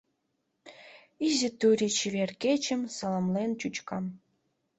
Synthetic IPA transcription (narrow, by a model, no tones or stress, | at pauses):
izʲɘ̆t̪uɾʲit͡ɕiβʲerkʲet͡ɕɘ̆msɤ̆lˠɤ̆mlent͡ɕut͡ɕkɑm